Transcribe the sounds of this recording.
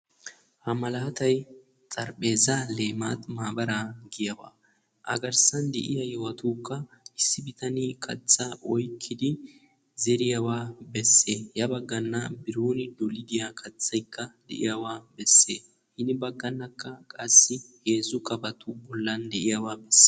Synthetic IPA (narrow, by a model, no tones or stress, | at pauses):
hɐmɐlaːt̪ɐj | t͡sʼɐɾpʼe̞ːzale̞ːmaːt̪maːbɐɾaɡɪjɐwa̰ː | ʔɐ̰ɡɐɾsɐnd̪ɛ̰ʔɪjɐjɔwɐt̪uːkːɐɪsːɪbɪt̪ɐnikʰɐ̰t͡sʼːɐʔɔjkʰːɪd̪ɪ | zɛɾɪjɐwaːbɛsːeːjɐbɐɡːɐnːɐbɪɾoːnɪd̪ɔlɪd̪ɪjakʰɐt͡sʼːɐjkːɐd̪ɛ̰ʔɪ̰jawaːbɛsːeː | hɪnɪbɐɡːɐnːɐkːɐkʼɐsːɪheːzʊkʼɐbɐt̪ʊbɔlːɐnd̪ɛʔɪjɐwaːbɛsː